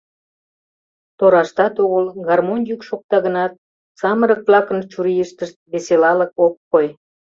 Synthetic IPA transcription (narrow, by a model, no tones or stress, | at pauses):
t̪oɾɑʃt̪ɑt̪oɣəlɣɑrmonjykʃok̚t̪ɑɣənɑt̪̚ | sɑməɾək̚vlɑkənt͡ʃuɾijəʃt̪əʃt̪̚βeselɑləkokːoj